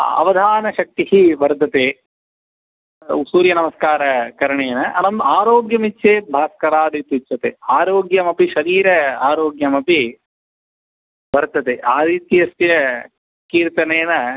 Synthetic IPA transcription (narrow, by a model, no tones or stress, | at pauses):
ɐ̰ʋɐd̪ʱaːnɐʃɐk̚t̪ihiʋɐɾd̪ʱːɐt̪eː | usuːɾjɐnɐmɐskaːɾɐkɐɾɐɳeːnɐʔɐnɐmaːɾoːɡjɐmitːʃʰeːbʱaːskɐɾaːd̪ʱit̪ʋit͡ʃːt͡ʃʰːɐt̪ḛːaːɾoːɡjɐmɐpiʃɐɾiːɾɐaːɾoːɡjɐmɐpi | ʋɐɾd̪ʱɐt̪eːʔaːɾiːt̪iɐst̪jɐ | kiːɾt̪ɐneːnɐ